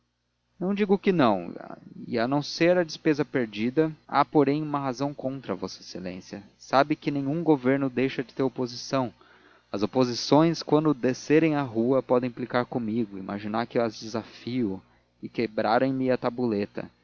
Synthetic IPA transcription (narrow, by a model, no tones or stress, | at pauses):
nɐ̃w̃d͡ʒiɡʊkɪnɐ̃w̃ɪ̰anɐ̃w̃seɾɐd͡ʒɪspezɐpeɾd͡ʒid̪ɐa̰poɾẽj̃ũmɐɦazɐ̃w̃kõnt̪ɾɐvose̥selḛ̃sjɐ | sabɪkɪnẽj̃ɲ̃ũɡoveɾnʊd̪ejʃɐd͡ʒɪt̪eɾopozisɐ̃w̃ | ɐzopozisõj̃skwɐ̃nd̪ʊd̪eseɾẽj̃aɦuɐpɔd̪ẽj̃plikaɾkõmiɡʊḭmʔa̰ʒinaɾkɪɐzd͡ʒɪzafiʊ | ɪkebɾaɾẽj̃mɪɐt̪abulet̪ɐ̰